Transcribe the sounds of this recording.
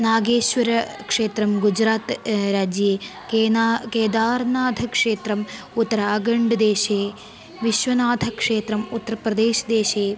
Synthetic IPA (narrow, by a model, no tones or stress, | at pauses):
naːɡeːʃʋɐɾɐkʂeːt̪ɾɐmɡud͡ʒɾaːt̪ɾaːd͡ʒje | keːkeːd̪aːɾnaːd̪ʱɐkʂeːt̪ɾɐm | ut̪ːɐɾaːɡɐɳɖɐd̪eːʃeː | ʋiʃʋɐnaːd̪ʱɐkʂeːt̪ɾɐmut̪ːɐɾɐpɾɐd̪eːʃɐd̪eːʃeː